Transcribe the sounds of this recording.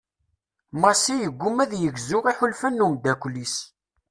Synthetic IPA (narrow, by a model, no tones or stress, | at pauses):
mɑsijəɡʷːumæðjəɡzʊʁiħʊlfænːumd̪ækʷlis